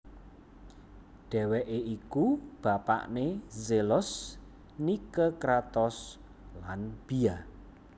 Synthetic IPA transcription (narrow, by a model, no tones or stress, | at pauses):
ɖ̥ɛ̤wɛʔeʔikub̥a̤pa̰ʔnezelʊs | nikəkɾat̪ɔs | lanb̥ia